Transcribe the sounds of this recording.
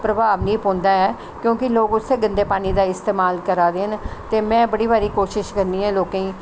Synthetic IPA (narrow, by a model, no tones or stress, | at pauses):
pɾəbaːʋnĩːpõːnd̪aːɛː | kjõːkɪloːkʊsʰeːɡə̃nd̪eːpaːñiːd̪aːɪst̪eːmaːlkəɾaːd̪eːnt̪eːmɛ̃ːbəɽiːbaːɾiːkoːʃɪʃkəɾniːɦɛːloːkãĩː